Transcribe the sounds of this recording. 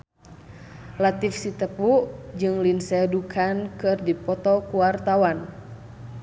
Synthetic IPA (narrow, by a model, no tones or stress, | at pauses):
lat̪ifsit̪əpud͡ʒɨŋlinsɛdukʰankɨrdipɔt̪ɔkuwart̪awan